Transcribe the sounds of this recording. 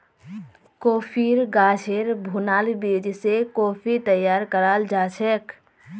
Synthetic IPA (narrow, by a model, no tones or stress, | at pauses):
koːpʰiɾɡat͡ʃʰeɾbʱunaːlbid͡ʒsekoːpʰit̪əjːaːɾkəɾaːld͡ʒaːt͡ʃʰɛk